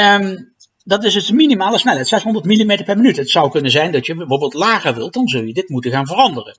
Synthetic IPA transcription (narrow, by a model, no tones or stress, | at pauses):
dɑtɪsəsdəminimaːlˠəsnɛlɦɛjtsɛsɦɔndəɹtmilimejtəɹpɛɹmənytɦətsʌwkɵnənzɛjndɑtjəbɛjvoːɹbeːlˠtlaːχəɹʋɪ̰lˠdɑnzɵlˠjədɪtmutəɣaːnvərɑndərə̰n